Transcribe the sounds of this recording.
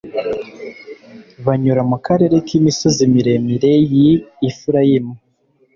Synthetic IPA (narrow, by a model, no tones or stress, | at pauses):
βaɲuɾamukaɾe̞ɾe̞kimisozimiɾemiɾe̞jiːfuɾajimu